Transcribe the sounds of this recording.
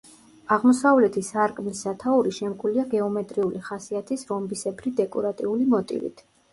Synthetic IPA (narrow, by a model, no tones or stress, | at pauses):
aʁmɔsavlɛt̪ʰisaɾkʼmlisat̪ʰauɾiʃɛmkʼuliaɡɛɔmɛt̪ʼɾiuliχasiat̪ʰisɾɔmbisɛbɾid̪ɛkʼɔɾat̪ʼḭulimɔt̪ʼḭvḭt̪ʰ